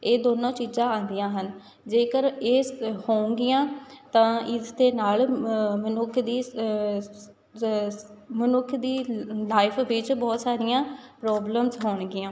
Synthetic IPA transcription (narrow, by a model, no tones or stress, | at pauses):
eːd̪oːnõːt͡ʃiːzãːãːnd̪ijãːɦən | d͡ʒeːkəɾeːhõːŋɡɪjãːt̪ãːɪzd̪eːnaːlmənʊkʰd̪iː | mənʊkʰd̪iːlaːɪpʰʋɪt͡ʃbɔːt̪saːɾɪjãːpɾɔːbləmzɦoːɳɡɪãː